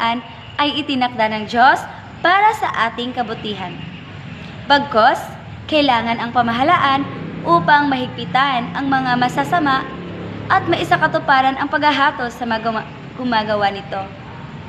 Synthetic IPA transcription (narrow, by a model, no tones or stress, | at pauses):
ʔan | ʔɐjʔɪt̪ɪnɐk̚d̪anɐŋd͡ʒo̞s | paːɾɐsɐʔaːt̪ɪŋkɐbʊt̪iːɦɐn | bɐɡ̚ko̞s | kɐɪlaːŋɐnɐŋpɐmɐɦɐlaʔanʔuːpɐŋmɐɦɪɡ̚pɪt̪anʔɐŋmɐŋamɐsasɐmaʔ | ʔɐt̪̚mɐʔɪsakɐt̪ʊpaːɾɐnɐŋpɐɡhɐɦaːt̪o̞sːɐmɐɡɐ | ɡʊmaːɡɐwanɪt̪o̞